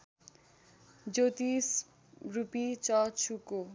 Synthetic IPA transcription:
d͡zot̪is | rupit͡sɔt͡sʰuko

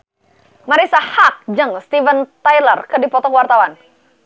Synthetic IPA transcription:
maɾisahak̚d͡ʒəŋst̪ivənt̪ajlərkɨdipɔt̪ɔkwart̪awan

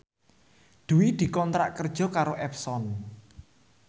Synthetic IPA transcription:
d̪̥uwid̪̥i̤kɔnt̪ɾa̰ʔkərd̥ʒ̥ɔ̤kaɾoʔɛpsɔn

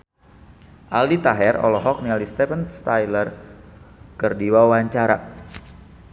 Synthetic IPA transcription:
ʔaldit̪aɦɛrɔ̰lɔɦɔk̚nialist̪ɛfənst̪ajlər | kərdiwawaɲt͡ʃaɾa

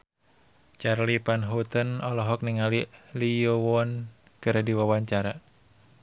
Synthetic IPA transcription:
t͡ʃarlipanɦut̪ənɔlɔɦɔk̚niŋaliliɔowɔn | kɨrdiwawaɲt͡ʃaɾa

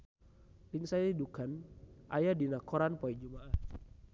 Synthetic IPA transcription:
dɪŋsajadidukanʔa̰jadinakɔɾanpɔid͡ʒumaʔah

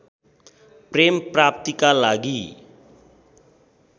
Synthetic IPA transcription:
premprap̚t̪ikalaɡi

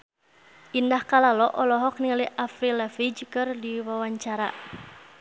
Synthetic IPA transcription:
ʔindahkalalɔʔɔlɔɦɔk̚niliʔafɾilafid͡ʒkɨrdiwawaɲt͡ʃaɾa̰

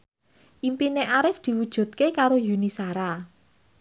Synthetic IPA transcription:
ʔimpineʔaɾɪfd̪̥i̤wud̥ʒ̥ṳt̪̚kekaɾojunisaɾa

